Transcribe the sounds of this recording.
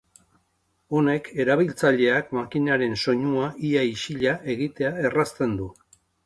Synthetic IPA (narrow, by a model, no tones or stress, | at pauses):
o̞ne̞kʰe̞ɾaβilt͡saʎe̞akmakinaɾe̞nso̞ɲuaʔiaiʃiʎaʔe̞ɣit̪e̞ae̞rast̪e̞nd̪u